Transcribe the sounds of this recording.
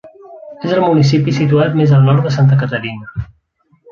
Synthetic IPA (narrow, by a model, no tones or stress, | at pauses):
ezəlˠmunisipisit̪uat̪mezəlˠnɔɾt̪̚ðəsant̪̬əkət̪əɾinə